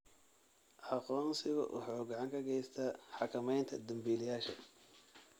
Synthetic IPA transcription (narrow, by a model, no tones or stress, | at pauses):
ʔɑqɔːnsɪɣɐ̰ʔʊ̰ħɔːɡɑʕɑŋkʰɐɡɛjst̪ʰɐħɑkʰɐmɛjnt̪ʰɐd̪ɐmbiːlɪjaːʃɐ